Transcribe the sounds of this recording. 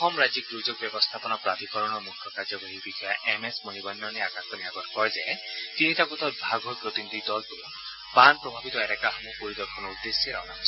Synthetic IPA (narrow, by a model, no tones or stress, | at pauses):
ɔxɔmɹad͡ʒik̚d̪ɹuzoɡ̚bjɛbɔst̪ʰapɔnɔpɹat̪ikɔɹɔnɔmukʰːɔkazɔbʱoɦibixʰɔjaʔɛmesmonibɔnːɔneakãŋkɔniaɡɔtʰkɔɹzɛtinitakut̪ʰɔt̚bʱaɡʱɦojpɹot̪inid̪ʱidɔltʊ | panpɹɔbʱabit̪ɔɛɾɛkaɦɔmupoɾid̪ɔɾkʰɔnɔud̪ːesɔɾa̰na̰s